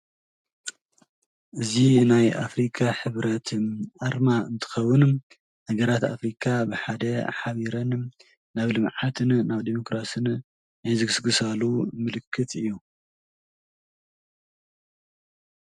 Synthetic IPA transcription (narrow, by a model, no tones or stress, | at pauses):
ʔɨzinajʔa̰fɾikʰaħɨβɾɐt̪ʰʔaɾmaɨnt̪ʰɨ̥xɐwːʊn | hɐɡɐɾat̪a̰fɾikʰabɨħad̪ɐħaβiɾɐn | naβlɨmʕat̪ʰɨnnaβd̪emo̞kɾasɨn | ajzɨɡɨsɡɨsalumɨlɨkʰːɨt̪ʰɨjːu